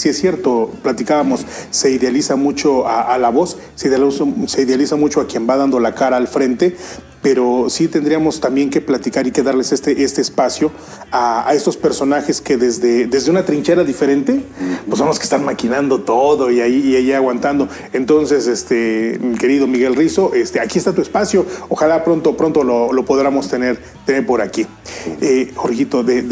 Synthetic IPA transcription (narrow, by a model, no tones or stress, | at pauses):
siesːje̞ɾt̪o̞plat̪ikaβamo̞sːe̞iðealisamut͡ʃo̞aalaβo̞s | seðsse̞iðealisamut͡ʃo̞akje̞mbaðand̪olakaɾaːlfɾe̞nt̪e̞ | peɾo̞sit̪end̪ɾiamo̞st̪ambje̞ŋke̞plat̪ikaɾike̞ðaɾle̞sest̪eʔest̪eːspasjo̞ | aa̰e̞st̪o̞spe̞ɾso̞naxe̞ske̞ðezðeðezðeunat̪ɾint͡ʃe̞ɾaðife̞ɾe̞nt̪e̞pozβamoske̥st̪aɾmakinand̪o̞t̪oðo̞iaiːajiaɣwant̪and̪o̞ | e̞nt̪o̞nse̞sest̪emike̞ɾiðo̞miɣe̞lriso̞ʔest̪eakiest̪at̪ue̞spasjo̞oxalapɾo̞nt̪opɾo̞nt̪o̞lolo̞poðɾamo̞st̪e̞ne̞ɾ | t̪e̞ne̞ɾpo̞ɾaki | exo̞ɾxit̪o̞ðe